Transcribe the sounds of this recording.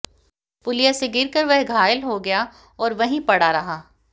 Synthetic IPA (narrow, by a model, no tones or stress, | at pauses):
pʊlijaseɡɪɾkəɾʋɐɦɡʱaːjəlɦoɡɐja | ɔːɾʋɐɦĩpɐɽaɾɐɦaː